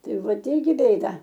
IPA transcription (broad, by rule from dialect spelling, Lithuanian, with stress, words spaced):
ˈtɐɪ ˈʋɐt ˈɪrʲɡʲɪ ˈbʲeːdɐ